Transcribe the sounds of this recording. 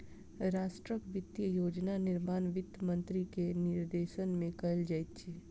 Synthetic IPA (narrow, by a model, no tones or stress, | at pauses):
ɾaːʃʈɾəkʋɪt̪jəjoːd͡ʒnanɪɾmaːnʋɪt̪ːmə̃nt̪ɾikenɪɾd̪eːʃənmẽkɐld͡ʒait̪t͡ʃʰiː